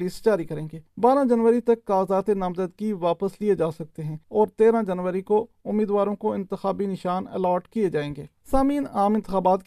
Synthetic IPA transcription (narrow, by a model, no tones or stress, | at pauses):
liːsd͡ʒaːɾikɐɾẽːɡeːbaːɾãd͡ʒɐnʋəɾit̪ɐkːaːzaːt̪enɐmzəd̪kiʋaːpəslied͡ʒaːsɐk̚t̪eɦɛ̃ɔːɾt̪eːɾãd͡ʒɐnʋəɾiko | ʊmːiːd̪ʋaːɾõkoɪ̃nt̪ɪxaːbinɪʃaːnɛ̰lɔːʈkied͡ʒaːẽːŋɡeːsaːmiːnaːmɪ̃nt̪ɪxaːbaːt̪k